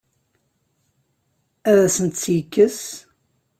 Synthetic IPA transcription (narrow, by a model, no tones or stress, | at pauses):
æðæsənt̪sjəkːəs